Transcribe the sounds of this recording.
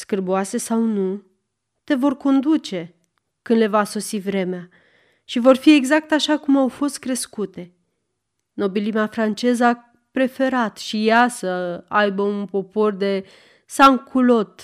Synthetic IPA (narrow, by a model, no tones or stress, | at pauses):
skɨrboase̞sawnu | t̪e̞vo̞rko̞nd̪ut͡ʃe̞ | kɨnd̪le̞vaso̞sivɾe̞mea | ʃivo̞rfie̞ɡzak̚t̪aʃakumawfo̞st̪̚kɾe̞skut̪e̞ | no̞bilimeafɾant͡ʃe̞zəa | pɾe̞fe̞ɾat̪ʃijasəajbəunpo̞po̞rd̪e̞ | saŋkʰulo̞t̪